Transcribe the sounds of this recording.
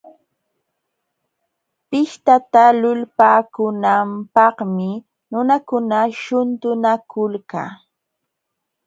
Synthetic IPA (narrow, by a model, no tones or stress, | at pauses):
pɪʃt̪at̪alʊlpaːkʊnampɑhmɪ | nʊnakʊnaʃʊnt̪ʊnakʊlka̰ː